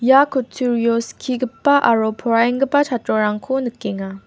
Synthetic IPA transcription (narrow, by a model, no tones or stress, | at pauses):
jakotʰuɾioskʰiɡɯp͈ːaʔaɾopʰoɾaiŋɡɯp͈ːat͡ɕat͡ɕ͈oɾaŋkʰonɯk͈ːeŋa